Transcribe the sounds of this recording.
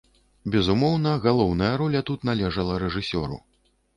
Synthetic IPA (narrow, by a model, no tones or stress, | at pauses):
bʲɛzumɔwnɐɣalˠɔwnɐjɐɾɔlʲɐt̪ut̪nalʲɛʐɐlˠɐɾɛʐɨsʲɔɾṵ